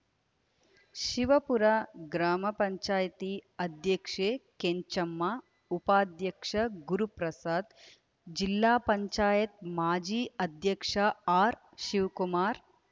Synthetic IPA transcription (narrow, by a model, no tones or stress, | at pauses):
ʃiʋɐpuɾaɡɾaːmɐpɐɲt͡ʃaːjɐt̪iɐd̪jɐkʂeːkeɲt͡ʃɐmːa | upaːd̪jɐkʂɐɡuɾupɾɐsaːd̪ | d͡ʒilːaːpɐɲt͡ʃaːjɐt̪̚maːd͡ʒiːɐd̪ʱjɐkʂɐaːɾ | ʃiʋkumaːɾ